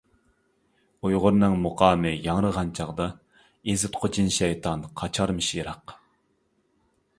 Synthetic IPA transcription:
ujʁʊɾnɨŋmoqʰɑːmɨjɑŋɾəʁɑnt͡ʃʰɑʁd̪ɑ | ezɪt̪qʰot͡ʃʰinʃɛjt̪ʰɑnqʰɑt͡ʃʰɑɾmɨʃiɾɑq

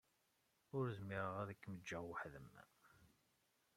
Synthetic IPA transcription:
ʊɾzmiʁəʁæðəkːməd͡ʒːæʁwəħðəmːæ̰

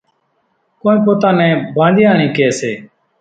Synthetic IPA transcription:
koːnĩːpoːt̪ãːnɛ̃ːbʱãːnd̪iːaːɳĩːkeːseː

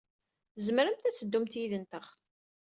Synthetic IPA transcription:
zmɾəmt̪æt͡sːəd̪ːumt̪jiðənt̪əʁ

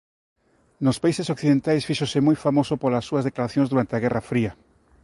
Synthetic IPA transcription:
nospaisesokθiðent̪ajsfiʃosɪmojfamosʊpolɐsːuɐzðeklaɾaθjõnzðuɾant̪eaɣɛrafɾiɐ

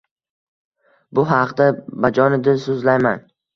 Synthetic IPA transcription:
bʊɦɑqd̪abad͡ʒɒnɪd̪ɪsʊzlajman

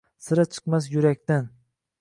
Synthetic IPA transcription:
sɪɾat͡ʃʰɨ̥qmas̬jʊɾakʲt̪an

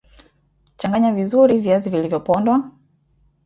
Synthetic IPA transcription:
t͡ʃaŋɡaɲavizuɾiviazivilivjɔpɔndwa

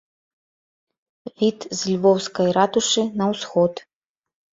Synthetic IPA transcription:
vʲit̪zlʲvɔwskɐjɾat̪uʂɨnɐwsxɔt̪

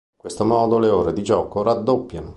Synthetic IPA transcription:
ŋkwest̪omɔːd̪oleoːɾed̪id͡ʒɔːkorad̪ːopːjano

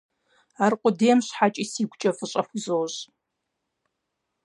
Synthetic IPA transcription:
aːrqʷʼʊdeːmɕħat͡ʃʼiːsiːɡʷt͡ʃʼɐfɨɕʼɐxʷzoːʑ

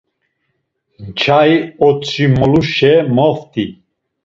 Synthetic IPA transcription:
nt͡ʃʰaiɔt͡sʰʼimɔluʃɛmɔft̪ʰi

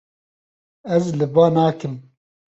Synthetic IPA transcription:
ɛzlɨbaːnaːkɨm

